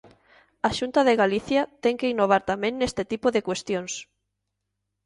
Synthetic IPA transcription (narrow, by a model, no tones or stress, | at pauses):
aʃunt̪aðeɣaliθjɐt̪ɛŋkeinoβ̞aɾt̪amẽŋnest̪et̪ipoðekwest̪joŋs